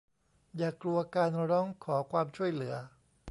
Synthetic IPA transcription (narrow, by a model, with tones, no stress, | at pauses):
jaː˨˩kːlu˧ɐkaː˧nɾɔː˦˥ŋkʰɔː˩˦kʰwaː˧mt͡ɕʰu˥˩əjlɯ˩˦ɐ